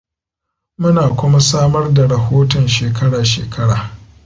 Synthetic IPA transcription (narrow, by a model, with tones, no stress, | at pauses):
mʊ˦naː˨kʷʊ˦ma˦saː˦mɐ˦rda˨ɽɐ˨hoː˦tɔ˨nʃeː˨kɐ˦ɽaː˨ʃḛː˨kʰɐ˦ɽa̰ː˨